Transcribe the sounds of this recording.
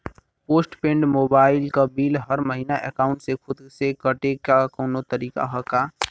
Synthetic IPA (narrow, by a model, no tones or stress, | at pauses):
poːsʈpẽːɳɖmoːbaːɪlkabiːlɦəɾməɦinaʔekaːʊ̃ɳʈsekʰʊd̪sekəʈekakɔːnot̪əɾiːka̰ɦɔkaː